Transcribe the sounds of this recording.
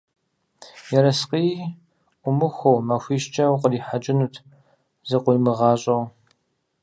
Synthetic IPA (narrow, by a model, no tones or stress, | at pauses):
jɛɾɐsqiː | ʔʷʊmɨxʷowmaxʷiːʃt͡ʃʼɐwqʼəriːħad͡ʒʼɪnutʰ | zɐqʷʊlmɨʁɑːɕʼɐw